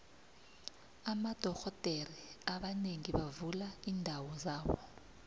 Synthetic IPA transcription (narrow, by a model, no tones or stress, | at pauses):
amad̥ʱɔxɔtʼeriaɓaneŋiɓavulaiːndʱawɔzaːwɔ̰